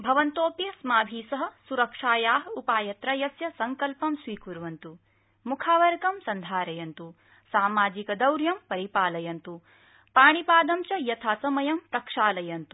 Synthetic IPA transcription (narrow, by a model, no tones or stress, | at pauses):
bʱɐʋɐnt̪oːpjɐsmaːbʱiːsɐɦɐ̆suɾɐkʂaːjaːɦɐupaːjɐt̪ɾɐjɐsjɐsɐŋkɐlpɐmsʋiːkuɾʋɐnt̪u | mukʰaːʋɐɾɡɐmsɐnd̪ʱaːɾɐjɐnt̪u | saːmaːd͡ʒikɐd̪ɐwɾjɐmpɐɾipaːlɐjɐnt̪u | paːɳipaːd̪ɐmt͡ʃɐjɐt̪ʰaːsɐmɐjɐmt̪ɐkʂaːlɐjɐnt̪u̥